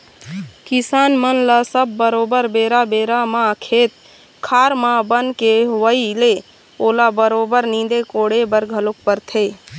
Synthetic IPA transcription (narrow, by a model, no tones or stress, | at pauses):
kɪsaːnmənlasəbːəɾoːbəɾbeːɾabeːɾamãkʰeːt̪̚ | kʰaːɾmãbənkeʋəile | oːlabəɾoːbəɾnĩːd̪ekoːɽebəɾɡʱəlok̚pəɾt̪ʰeː